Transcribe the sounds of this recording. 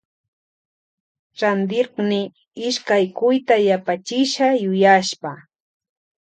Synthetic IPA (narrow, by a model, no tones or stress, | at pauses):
ɾand̪ɪqnɪ | ɪʃkajkʊjt̪ajapat͡ʃɪʃajʊjaʃpa